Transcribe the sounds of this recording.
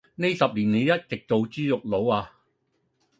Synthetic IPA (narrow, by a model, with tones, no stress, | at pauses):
ne˥jsɐ˨p̚liː˨˩nne˨˧jjɐ˥t̚t͡sɪ˨k̚t̪o˨˧wt͡syː˥jʊ˨k̚lo˨˥waː˧